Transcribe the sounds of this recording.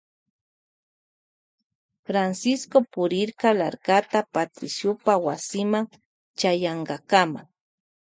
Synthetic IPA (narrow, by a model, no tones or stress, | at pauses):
fɾansɪskopʊɾɪɾkala̰ɾkat̪apat̪ɾɪsjʊpawasɪmaŋ | t͡ʃajaɴɢɑkama̰ŋ